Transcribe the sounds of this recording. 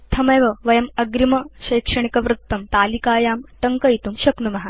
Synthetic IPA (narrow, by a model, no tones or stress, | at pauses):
t̪ʰɐmɐjʋɐʋɐjɐmɐɡɾimɐɕɐjkʂɐɳ̃ikɐʋɾut̪ːɐmt̪aːlikaːjaːmʈɐŋkɐjit̪umɕɐknumɐɦa